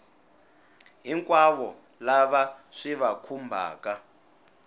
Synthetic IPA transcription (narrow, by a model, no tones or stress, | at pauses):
ɦiŋkʼwaβɔ | laβaʂiβakʰumbʱa̰ːka